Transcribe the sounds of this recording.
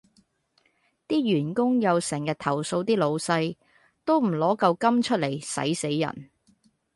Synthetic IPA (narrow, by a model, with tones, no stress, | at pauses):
t̪iː˥ɥyː˨˩nkʊ˥ŋjɐ˨˧wsɛː˨˩ŋjɐ˨t̚t̪ʰɐ˨˩wso˧wt̪iː˥lo˨˧wsɐ˧j | t̪o˥wm̩˨˩lɔː˨˥kɐ˧wkɐ˥mt͡ʃʰɵ˥t̚le˨˩jsɐ̰˨˥jse˨˥jːɐ̰˨˩n